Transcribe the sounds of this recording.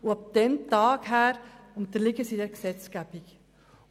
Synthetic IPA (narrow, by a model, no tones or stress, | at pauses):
uɑb̚d̪̥ɛnt̪ɑːɡɦæːɾʊnt̪əɾlɪɡəsidɛɾksɛt͡sɡ̥æb̥ik